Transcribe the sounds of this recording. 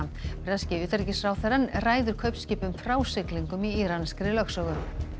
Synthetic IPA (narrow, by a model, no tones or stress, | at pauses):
pɾɛscɪʏːt̪aɾicɪsfɾaːwθɛɾanraːjðʏɾ̥kʰœɥpnscɪːpʏmfɾaːwsɪkliŋkʏmiiɾanskɾɪlœksɔɣʏ